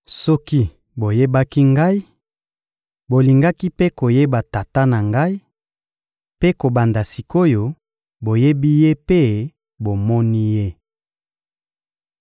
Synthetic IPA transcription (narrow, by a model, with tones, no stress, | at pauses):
sɔ˦ki˦ | bo˨je˦ba˦ki˦ŋɡa˦i˦ | bo˨li˨ŋɡa˦ki˦pe˦ko˨je˦ba˨ta˨ta˦na˨ŋɡa˦i˦ | pe˦ko˨ba˨nda˨si˨ko˦jo˨ | bo˨je˦bi˦je˦pe˦ | bo˨mɔ˦ni˦je˦